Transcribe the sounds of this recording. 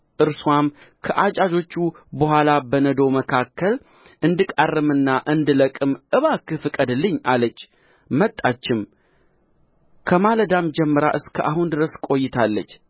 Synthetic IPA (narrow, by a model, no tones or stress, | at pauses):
ʔɨɾswam | kʰəʔat͡ʃʼad͡ʒo̞t͡ʃːu | bəɦʷalabənəd̪o̞wməkʰakʰːəl | ʔɨnd̪ɨkʼarːɨmɨnːaʔɨnd̪ɨləkʼɨmʔɨβakːɨfɨkʼəd̪ɨlːɨɲːalət͡ʃː | mət̪ʼːat͡ʃːɪm | kʰəmaləd̪amd͡ʒɛmːəɾaʔɨskʰəʔahɦund̪ɨɾəskʼo̞jːɪt̪ʰalːət͡ʃː